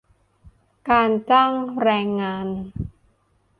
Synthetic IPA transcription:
kaː˧nt͡ɕaː˥˩ŋɾɛː˧ŋːaː˧n

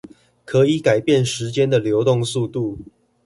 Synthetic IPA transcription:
kʰɤ˨˦˥i˨˦ka˨˩ɪpjɛ˥˨nʂɻ̩˨˦t͡ɕjɛ˦nd̪ə˨ljo˧˥ʊt̪ʊ˥˧ŋsu˥˧t̪u˥˨

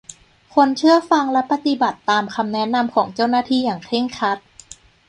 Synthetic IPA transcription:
kʰo˧nt͡ɕʰɯ˥˩ɐfa˧ŋlɛ˦˥pa˧t̪i˨˧˩ba˨˩t̪ːaː˧mkʰa˧mnɛ˦˥na˧mkʰɔː˩˦ŋt͡ɕa˥˩wnaː˧˥˩t̪ʰiː˧˩jaː˨˩ŋkʰe˥˩ŋkʰa˦˥t̪̚

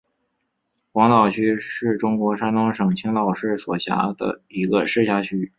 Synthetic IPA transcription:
xwɑ˧˥ŋt̪ɑ˨˩ʊt͡ɕʰy˥ʂɻ̩˥˩ʈ͡ʂʊ˥ŋkwɔ˧˥ʂa˥nt̪ɑ˥ŋʂɤ˨˩ŋt͡ɕʰi˥ŋt̪ɑ˥˩ʊʂɻ̩˥˩swɔ˨˩ɕja̰˧˥d̪ə̰˧i˧˥ɡə˧ʂɻ̩˥˧ɕja˥˩t͡ɕʰy˥

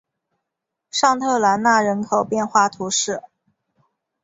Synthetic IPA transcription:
ʂɑ˥˧ŋt̪ʰɤ˥˩la˧˥nna˥˩ɻə˧˥nkʰo˨˩ʊpjɛ˥˧nxwa˥˩t̪ʰu˧˥ʂɻ̩˥˩

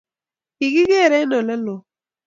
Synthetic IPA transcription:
ki˨ɡi˦ɡe˦˨ɾɛ˦nɔ˨lɛ˦lo˨

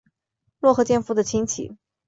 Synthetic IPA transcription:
lwɔ˥˩xɤ˧˥t͡ɕjɛ˥˧nfu˧˥d̪ə˨t͡ɕʰi˧˥ŋt͡ɕʰḭ˨˦

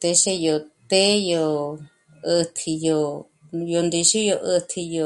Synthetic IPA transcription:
t̪e˧ʃe˧jo˨˧t̪e˦jo˧ | ɨ˧t̪ʰi˧jo˧ | jo˧nd̪i˧ʃu˦jo˧ʔɨ˧t̪ʰi˧jo˧

